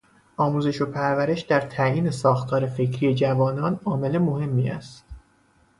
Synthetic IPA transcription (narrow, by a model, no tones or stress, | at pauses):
ʔɒːmuːze̞ʃo̞pʰæɾvæɾe̞ʃd̪æɾt̪ʰæʔiːne̞sɒːxt̪ʰɒːɾe̞fe̞cʰɾije̞d͡ʒævɒːnɒːnɒːme̞le̞mo̞he̞mːiːæ̰st̪